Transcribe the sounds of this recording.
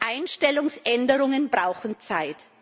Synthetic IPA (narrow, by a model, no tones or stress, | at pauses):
ʔaɪnʃtɛlʊŋsʔɛndəʁʊŋənbʁaʊxn̩t͡saɪt